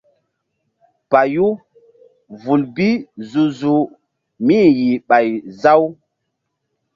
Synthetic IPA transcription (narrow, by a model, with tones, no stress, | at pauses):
pa˨ju˦ | vu˨lbi˦zu˨zu˨ | mi˦ji˨ɓa˨jza˦w